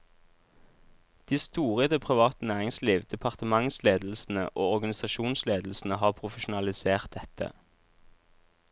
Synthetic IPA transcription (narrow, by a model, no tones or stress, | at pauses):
d̪̥iːst̪uːʁəd̪ɛpʰʁɪʋɑːt̪ənæːʁɪŋsliːʋd̪̥ɛpʰɑʁt̪əmɑŋsleːd̪l̩sn̩ə̰ʔoːɔʁɡɑnɪsɑʃuːnsleːd̪l̩sn̩əhɑːʁpʰʁʊfəʃʊn̩ɑlɪseːʁt̪̚d̪ɛt̪ʰə̰